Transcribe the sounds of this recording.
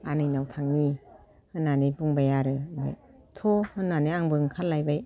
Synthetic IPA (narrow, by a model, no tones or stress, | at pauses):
anɯjnawtʰaŋni | hɯnːanibuŋbajaɾɯmbɯ̰ | tʰohɯnːanɯaŋbɯŋkʰallajbaj